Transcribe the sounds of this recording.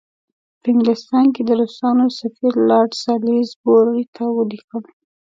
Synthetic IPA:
pəɪŋɡlɪst̪ɑnked̪əɾosɑnosafiɾlɑɽsɑlezboɾɾit̪ʰawəlixəl

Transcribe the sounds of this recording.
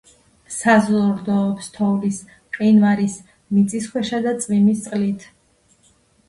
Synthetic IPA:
sazlˠɾd̪ɔːpst̪ʰɔvlis | qʼinvaɾis | mit̪sʼiskʰwɛʃad̪at̪sʼvimist̪sqʼlit̪ʰ

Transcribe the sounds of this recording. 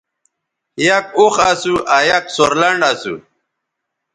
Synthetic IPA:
jak̚uxasuʔajaksoɾlaɳɖasṵ

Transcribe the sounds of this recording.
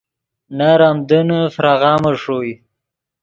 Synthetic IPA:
naɾamd̪ənəfɾaɣɑːməʂoj

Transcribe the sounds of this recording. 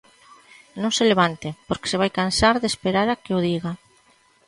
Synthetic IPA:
nõŋseleβ̞ant̪epoɾke̥seβajkansaɾðespeɾaɾakeoðiɣa

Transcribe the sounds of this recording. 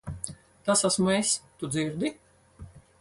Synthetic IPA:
t̪asasmuɛst̪ud̪ziɾd̪i

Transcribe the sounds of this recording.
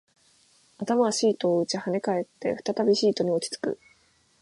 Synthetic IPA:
at̪amaβaɕiːt̪o̞ːɯ̟t͡ɕihane̞kae̞t̪ːe̞̰ɸɯ̟̥t̪at̪abʲiɕiːt̪o̞ɲ̟io̞t͡ɕi̥t͡sɨ̥kɯ̟̰

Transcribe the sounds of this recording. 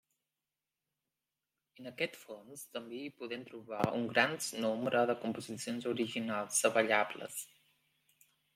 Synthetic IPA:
ənəkɛt̪fonst̪əmbeipuðɛmt̪ɾuβaṵŋɡɾanznombɾəðəkumpuzisionzuɾiʒinalˠzəβəʎablə̰s

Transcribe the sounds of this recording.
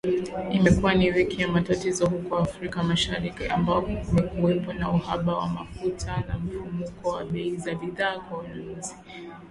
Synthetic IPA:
imɛkuwaniwɛkʰiamatatizɔhukɔafɾikamaʃaɾikiʔambapɔumɛkuwɛpɔnauhaɓawamafutʰanam̩fumukɔwaɓɛizaɓiðaːkwawɛnazi̥

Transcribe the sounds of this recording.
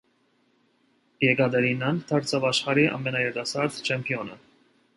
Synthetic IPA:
jɛɡɑd̪ɛɾinɑnt̪ʰɑɾt͡sʰɑvɑʃχɑɾiʔɑ̰mɛnɑjɛɾt̪ɑsɑɾd̪t͡ʃʰɛmpʰiɔnə

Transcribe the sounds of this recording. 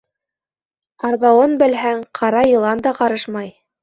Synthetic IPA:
ɑɾβɑwɤnbɘ̆lɦæŋqʰɑɾɑjɤ̆lˠɑnd̪ɑqɑɾɤʃmɑj

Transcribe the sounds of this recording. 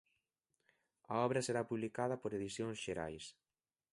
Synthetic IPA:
ɐ̰ɔβɾɐseɾapuβlikaðɐpoɾeðiθjoŋsʃeɾa̰js

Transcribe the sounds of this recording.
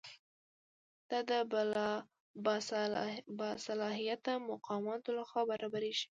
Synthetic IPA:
d̪̥ɑd̪ə | b | bɑsalɑɦijat̪̚d̪əmʊqɑmɑt̪olaxwɑbaɾɑbaɾeʃi̥

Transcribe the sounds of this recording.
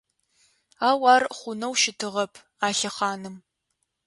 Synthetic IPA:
aːwɑːrχʷʊnɐwʃɪtʰɨʁɐpʰ | aːɬɐχɑːnɨm

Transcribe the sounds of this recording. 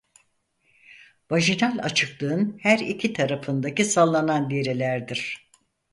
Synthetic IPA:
vaʒinalʲa̰t͡ʃʰɯklˠɯɯnhæɾicʰit̪ʰaɾafɯnd̪acisalˠːananliɾelʲæɾd̪iɾ̥

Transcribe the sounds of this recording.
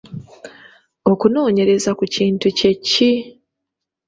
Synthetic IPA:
o̞kuno̞ːɲe̞ɾe̞zakuciːntuce̞cːi

